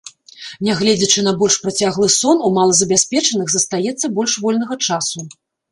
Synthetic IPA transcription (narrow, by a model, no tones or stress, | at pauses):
nʲɛɣlʲɛd͡zʲɐt͡ʂɨnɐbɔlʲʂpɾɐt͡sʲaɣlˠɨsɔnumalˠɐzɐbʲasʲpʲɛt͡ʂɐnɨɣzɐst̪ajɛt̪sːɐbɔlʲʂvɔlʲnɐɣɐt͡ʂasu